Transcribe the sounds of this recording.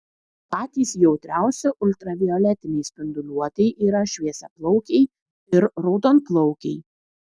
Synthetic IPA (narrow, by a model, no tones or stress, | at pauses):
t̪ɑːt̪ʲiːsjɛʊt̪ʲɾʲæˑʊsʲɛʔʊlʲt̪ɾɐʋʲiɔlʲɛt̪ʲɪnʲɛɪsʲpʲɪnd̪ʊlʲuɔt̪ʲɛɪʔiːɾɐʃʲʋʲiɛsʲɛplˠɔʊkʲɛɪ | ɪɾɾoːd̪onplˠɔʊkʲɛɪ